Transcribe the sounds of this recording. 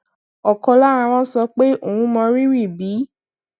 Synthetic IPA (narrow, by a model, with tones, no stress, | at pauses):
ɔ˨kɔ˧la˦˨ɾ̃ã˧w̃ɔ̃˦sɔ˧˦k͡pe˦o˦˨ũ˨˧˦mɔ̃˧ɾi˦ɾi˦˨bi˨˦